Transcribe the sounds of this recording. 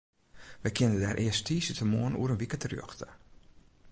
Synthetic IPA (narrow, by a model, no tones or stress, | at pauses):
ʋəjkʰɪənədɛːrʔɪəstʰiːsətʰəmoənṵəɾənʋikətərjø̰xtə̥